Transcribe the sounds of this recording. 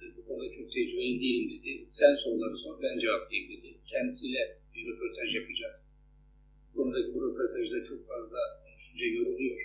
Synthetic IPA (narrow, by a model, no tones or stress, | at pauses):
bukʰo̞nud̪at͡ʃʰo̞k̚t̪ʰɛd͡ʒyβbeid̪ejilʲimd̪ed̪ɪsænsollˠaɾɯsoɾbænd͡ʒɛvaplˠijimd̪ed̪icʰɛnd̪isiːlʲɛbiɾepʰoɾt̪ʰaʒjapʰad͡ʒaksɯ̥n | bukʰo̞nud̪acʰibuɾepʰoɾt̪ʰaʒd̪at͡ʃʰo̞kfazlˠad̪yʃynd͡ʒɛjøɾulˠyjo̞ɾ̥